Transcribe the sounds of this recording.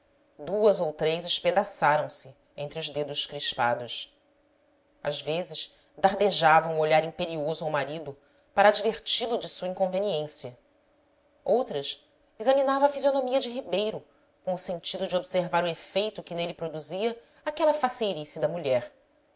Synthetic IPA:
d̪uɐzowt̪ɾejzɪʃped̪asaɾɐ̃w̃sɪ | ẽnt̪ɾiuzd̪ed̪ʊʃkɾiʃpa̰d̪ʊʃ | a̰zvezɪʃ | d̪aɾd̪eʒavɐ̃w̃uoʎaɾĩmpeɾiozʊawmaɾid̪ʊ | paɾaːd͡ʒveɾt͡ʃilʊd͡ʒɪsuɐĩkõveniẽsiɐ | owt̪ɾɐʃ | izɐminavɐ̃ɐfizionomiɐd͡ʒɪɦibejɾʊ | kõʊsẽnt͡ʃid̪ʊd͡ʒɪobseɾvaɾʊefejt̪ʊkɪnelɪpɾod̪uziɐ | akɛlɐfasejɾisid̪ɐmuʎɛɾ

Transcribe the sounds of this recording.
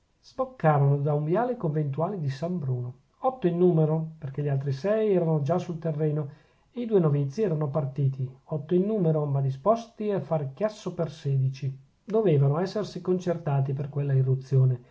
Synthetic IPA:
z̥bokːaːvanod̪auɱvjaːlekoɱvent̪uaːlid̪isambɾuːno | ɔt̪ːoinːuːmeɾoperkeʎialt̪ɾisɛjɛːɾanod͡ʒasult̪erːɛːno | eid̪uːenovit̪sːiɛːɾanopart̪iːt̪iɔt̪ːoinːuːmeɾomad̪ispɔst̪iafːaɾekjasːopersɛːd̪it͡ʃi | d̪oveːvanoɛsːersikont͡ʃert̪aːt̪̬iperkwelːairːut̪sːjoːne

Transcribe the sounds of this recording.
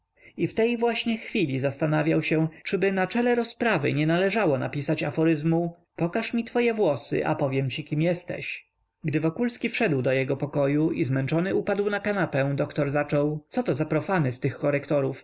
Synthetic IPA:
ift̪ɛjvwaɕɲɛxfʲilʲizast̪anavʲjawɕɛt͡ʂɘbɘnat͡ʂɛlɛɾɔspɾavɘ̰ɲɛnalɛʐawɔna̰pʲisat͡ɕafɔɾɘzmu | pɔkaʂmʲit̪fɔjɛvwɔsɘ̰ʔa̰pɔvʲjɛmt͡ɕikʲimjɛst̪ɛ̰ɕ | ɡd̪ɘvɔkulskʲifʂɛd̪wd̪ɔjɛɡɔpɔkɔjuʔizmɛnt͡ʂɔnɘupad̪wnakanapɛ̃d̪ɔkt̪ɔɾzat͡ʂɔwt̪sɔt̪ɔzapɾɔfanɛst̪ɘxkɔɾɛkt̪ɔɾuf

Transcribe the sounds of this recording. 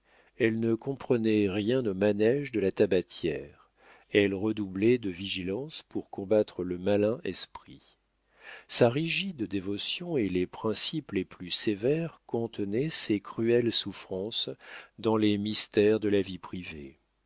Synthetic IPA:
ɛlnəkɔ̃pχənɛʁjɛ̃nomanɛʒd̪əlat̪abat̪jɛʁ | ɛlʁəd̪ublɛd̪əviʒilɑ̃spuʁkɔ̃bat̪χələmalɛ̃ʔɛspχi | saʁiʒid̪d̪evɔsjɔ̃elepχɛ̃sipleplysevɛʁkɔ̃t̪ənɛsekχyɛlsufχɑ̃sd̪ɑ̃lemist̪ɛʁd̪əlavipχivḛ

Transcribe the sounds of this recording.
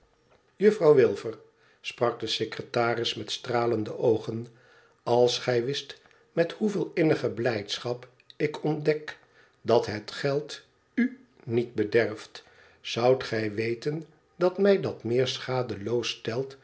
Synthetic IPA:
jɵfrɑwʋɪlˠvəɹ | sprɑɡ̚dəsekrətaːrɪsmɛtstraːləndəʔowχən | ɑlˠsχɛjʋɪst | mɛthuvɪːlˠɪnəχəblɛjtsχɑp | ɪkʰɔndɛk | dɑtɦətχɛlˠt | y | nit̚bədɛrft | z̥ʌwtχɛjʋejtən | dɑtmɛjdɑtmɪːɹsχaːdəlowstɛlˠt

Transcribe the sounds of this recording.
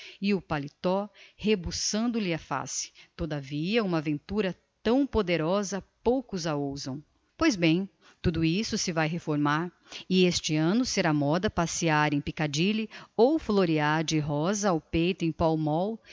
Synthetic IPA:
ɪʊpalit̪ɔhebusɐ̃nd̪ʊlɪɐfa̰sɪ̥t̪od̪aviɐũmɐavẽnt̪uɾɐ | t̪ɐ̃w̃pod̪eɾɔzɐpowkʊzɐowzɐ̃w̃ | pojzbẽj̃ | t̪ud̪ʊisʊsɪvajɦefoɾmaɾ | ɪest͡ʃɪɐ̃nʊseɾamɔd̪ɐpasiaɾẽj̃pikad͡ʒilɪowfloɾiaɾd͡ʒɪɦɔzɐawpejt̪ʊẽj̃pawmɔw

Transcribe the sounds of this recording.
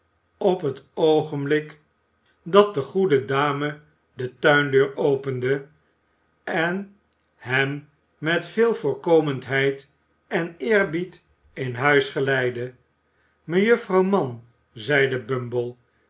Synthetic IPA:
ɔpɦətoχənblɪk | dɑt̚dəχudədaːmə | dətœɥndøːɹowpəndə | ɛn | ɦɛmː | ɛtfɪːlˠvʊːɹkowməntɦɛjt | ɛnɪːɹbit | ɪnɦœɥsχəlɛjdə | məjøfrɑwmɑn | zɛjdəbɵmbəlˠ

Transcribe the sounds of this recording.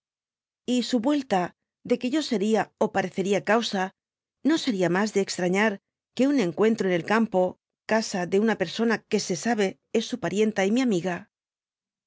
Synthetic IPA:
isuβwe̞lt̪a | ðe̞ke̞ʝo̞se̞ɾiao̞paɾe̞θe̞ɾiakawsa | no̞se̞ɾiamazðeːkst̪ɾaɲaɾ | ke̞une̞ŋkwe̞nt̪ɾoene̞lkampo̞ | kasaðe̞unape̞ɾso̞nake̞se̞saβ̞e̞ | e̞sːupaɾje̞nt̪aimiamiɣa

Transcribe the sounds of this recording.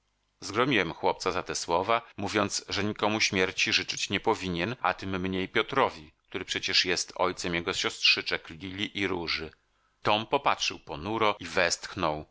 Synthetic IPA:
zɡɾɔmʲiwɛmxwɔpt̪sazat̪ɛswɔvamuvʲjɔnt̪sʐɛɲikɔmuɕmʲjɛɾt͡ɕiʐɘt͡ʂɘt͡ɕɲɛpɔvʲiɲɛna̰t̪ɘmːɲejpʲjɔt̪ɾɔvʲik̚t̪uɾɘpʂɛt͡ɕɛʂjɛst̪ɔ̰jt̪sɛmjɛɡɔɕɔst̪ʂɘt͡ʂɛklʲilʲiʔiɾuʐɘ | t̪ɔmpɔpatʂɘwpɔnuɾɔivɛst̪xnɔw

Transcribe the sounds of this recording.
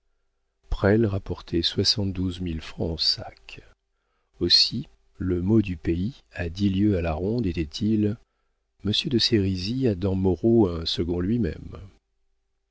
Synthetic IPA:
pχɛlʁapɔʁt̪ʰɛswasɑ̃t̪̚d̪uzmilfχɑ̃ɑ̃sa̰k | osi | ləmod̪ypei | ad̪iljøalaʁɔ̃d̪et̪ɛt̪ʰil | məsjød̪əseʁiziad̪ɑ̃mɔʁoɛ̃səɡɔ̃lɥimɛ̰m

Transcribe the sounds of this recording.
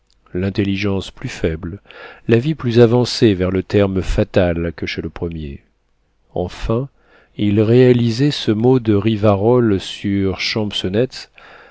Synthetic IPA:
lɛ̃t̪eliʒɑ̃splyfɛbllaviplyzavɑ̃sevɛʁlət̪ɛʁmfat̪alkəʃeləpχəmjḛ | ɑ̰̃fɛ̃ | ilʁealizɛsəmod̪əʁivaʁɔlsyʁʃɑ̃bsɔnɛt̪s

